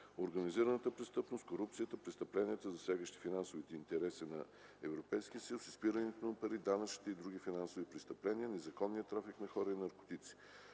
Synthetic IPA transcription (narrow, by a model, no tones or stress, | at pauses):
oɾɡəniziɾənət̪əpɾɛst̪ɤpnost̪koɾup̚t̪sijət̪əpɾɛst̪əplɛniɛt̪əzɐsʲaɡəʃt̪i̥finansovit̪ɛint̪ɛɾɛsinɐ | ɛvɾopɛjsk̟ijəsilˠsispiɾənɛt̪opɐɾid̪anət͡ʃ̪i̥t̪ɛid̪ɾuɡ̟ifinansovipɾɛst̪əplɛniənɛzɐkɔnːijət̪ɾafiknɐxɔɾəinɐɾko̥t̪it̪si̥